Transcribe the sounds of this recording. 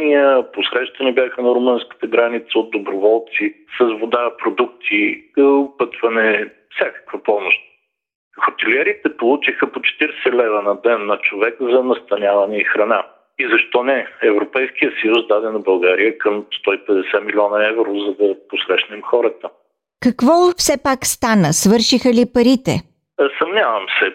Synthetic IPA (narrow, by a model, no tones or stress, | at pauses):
nijəposɾɛʃt̪ɐnɛbjaxənɐɾʊmɤnskə̥t̪əɡɾanit̪səod̪̚d̪obɾovɔlˠt̪sisəzvod̪apɾod̪uk̚t̪iəpɤt̪vɐnɛ | fsʲakə̥kvɐpɔmʊʃt̪̚ | xot̪ɛliɛɾit̪ɛpolˠut͡ʃixəpot͡ʃɛ̥t̪iɾsɛlɛvənɐd̪ɛnːɐt͡ʃovɛkzɐnɐst̪ɐnʲavɐnɛixɾɐna | izɐʃt̪ɔnɛɛvɾopɛjskijəsɐjusd̪ad̪ɛnɐbɐlˠɡaɾijəkəmst̪ɔipɛd̪ɛsɛmilʲiɔnɐɛvɾozɐd̪ɐposɾɛʃnɛmxɔɾət̪ə | kɐkvɔfsɛpakst̪anəsvɤɾʃixəlipɐɾit̪ɛ̰ | sɐmnʲavɐmsɛ